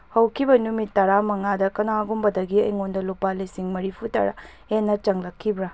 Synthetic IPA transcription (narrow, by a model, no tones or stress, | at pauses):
hɐwkʰibɐnumitːɐɾamɐŋadɐkɐnaɡumbɐdɐɡiɐjŋondɐlupalisiŋmɐɾipʰutɐ̰ɾa̰ | enːɐt͡ʃɐŋlɐkʰːibɾɐ